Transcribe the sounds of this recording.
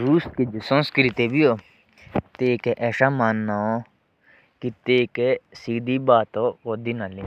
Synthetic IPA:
ɾuːskid͡ʒsə̃nskɾɪt̪eːbiːoː | t̪eːkeʔɛːʃaːmaːnːaːoː | kɪt̪eːkesiːd̪iːbaːt̪oːoːd̪iːnaːli

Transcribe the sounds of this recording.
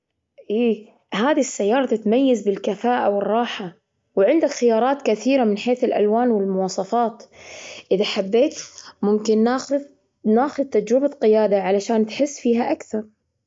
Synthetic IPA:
ʔiː | ɦaːðisːajːɑːɾˤɑt̪ɪt̪majːazbɪlkafaːʔawɪrˤːɑːħa | wʕɪnd̪akxɪjɑːɾˤɑːt̪kaθiːɾamɪnħeːθɪlʔa̰lwaːnwɪlmʊwɑːsˤɑfɑːt̪ʔɪðaħabːeːt̪mʊmkɪnːa | naːxʊðt̪ad͡ʒɾɪbaqɪjaːd̪aʕalaʃaːnt̪ħɪsːfiːɦaʔakθɑɾˤ

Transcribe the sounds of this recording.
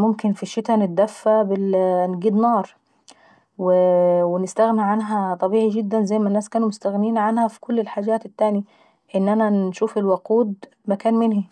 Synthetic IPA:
mʊmkɪnfiʃːɪt̪ænɪt̪̚d̪æfːæbɪnɡiːd̪nɑːɾˤ | wɪwɪnɪst̪æɣniʕanɦæt̪ˤɑbiːʕiɡɪd̪ːænzæjːmænːæːskæːnumʊst̪æɣniːnʕanhæfi̥kʊlːɪlħaːd͡ʒæːt̪ɪt̪ːæːni | ʔɪnːʔænænʃuːfɪlwaquːd̪ | makæːnmɪnhi

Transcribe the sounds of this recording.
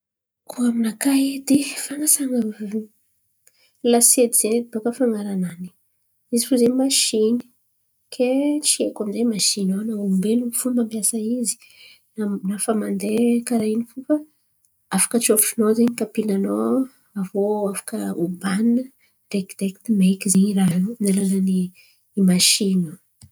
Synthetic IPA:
kʰuaminakaid̪efaŋasaŋa | lased̪iz̥enbakəfaŋɡaɾanani̥ | izifuzemaʃini̥ | kʰet͡ʃiekamizemaʃinonaumbelufumampjasaizi̥ | anafamand̪ekaɾainifufa | afḁkət͡ʃofinozeɲikapinano | avoafḁkəubanːə | rekd̪ekt̪imekizeɲiɾanalanani | imaʃinə

